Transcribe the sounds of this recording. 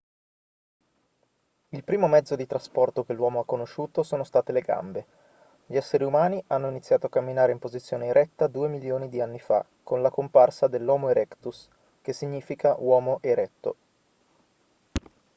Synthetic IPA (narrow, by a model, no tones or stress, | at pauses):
ilpɾiːmomɛd̪zːod̪it̪ɾaspɔrt̪ok̟elːwɔːmoakːonoʃːuːt̪osoːnost̪aːt̪eleɡa̰mbe | ʎiɛsːeɾiumaːniʔanːoinit̪sːjaːt̪oakːamːinaːɾeimpozit̪sːjoːneeɾʔɛt̪ːad̪uːemiljoːnid̪ianːifa̰ | kːonlakomparsad̪elːɔːmoeɾɛkt̪us | k̟esːiɲːiːfikawɔːmoʔeɾɛt̪ːo̰